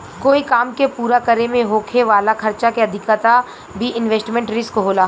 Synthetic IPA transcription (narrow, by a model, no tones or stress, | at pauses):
koːikaːmkepuːɾakəɾemẽɦoːkʰeʋaːlakʰɐɾt͡ʃakeɐd̪ʱɪkat̪a | bʱiʔɪnʋeːsʈmẽːɳʈɾɪskoɦoːlaː